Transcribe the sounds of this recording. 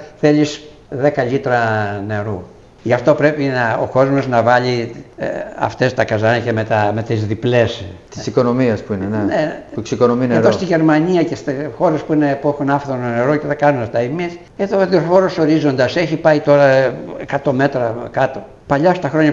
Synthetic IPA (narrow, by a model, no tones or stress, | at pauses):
θe̞ʎis | ðekɐʎit̪ɾɐne̞ɾu | ʝɐft̪o̞pɾe̞pinɐo̞̰ko̞zmo̞znɐvɐli | ɐ̰ft̪est̪ɐkɐzɐnɐcemet̪ɐmet̪izðiple̞st̪isiko̞no̞miɐspuineneneksikonomineɾost̪iʝe̞ɾmɐniɐcest̪ixo̞ɾe̞spuinepuexunɐfθononeɾoceðɐkɐnunɐft̪ɐimis | eðoðosfo̞ɾoso̞ɾizo̞nd̪ɐse̞çipɐit̪o̞ɾɐekɐt̪o̞me̞t̪ɾɐkɐt̪o̞ | pɐʎɐst̪ɐxɾo̞ɲɐ